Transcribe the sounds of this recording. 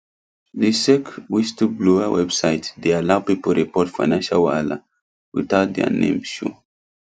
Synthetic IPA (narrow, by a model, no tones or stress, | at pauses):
ðisɛkwistubluawɛbsaɪtd̪ealaʊpipəɹipɔtfanãnʃalwala̰ | wḭθaʊt̚d̪ɛ̰a̰nḛ̃mʃṵ